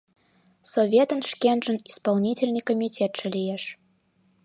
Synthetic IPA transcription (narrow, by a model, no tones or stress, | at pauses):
sovʲet̪ənʃkʲenʒə̆nispɑlˠnʲitʲɪlʲnɨjkomʲitʲet̪ʒ̥ə̆lʲijeʃ